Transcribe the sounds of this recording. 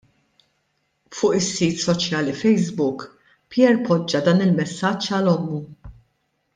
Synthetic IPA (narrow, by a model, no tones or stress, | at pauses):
fʊːʔɪsːiːt̪sɔt͡ʃjɐːlifɛjzbʊk | pjɛɾpɔd͡ʒːɐd̪ɐːnɪlmɛsːɐt͡ʃːɐlɔmːu